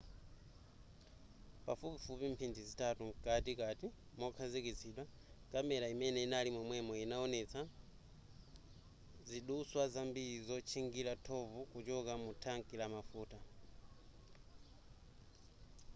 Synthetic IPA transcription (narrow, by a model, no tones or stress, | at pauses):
pa̰fupifupim̩pʰindizitʰatuŋkat̬ikati | mɔkʰazikit͡sʰiɗwa | kamɛɾaimɛnɛinalimɔmwɛmɔinaɔnɛt͡sʰa | ziɗuswazambizɔt͡ʃʰiŋɡiɾatʰɔvukut͡ʃɔkamutʰaŋkʼilamafuːta